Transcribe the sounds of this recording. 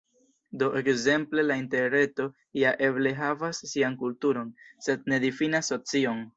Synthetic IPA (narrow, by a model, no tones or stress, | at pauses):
do̞ʔekze̞mple̞lainte̞ɾɾe̞to̞ | ijaʔe̞ble̞ɦavasːiankultuɾo̞nse̞d̚ne̞difinasːo̞t͡sio̞n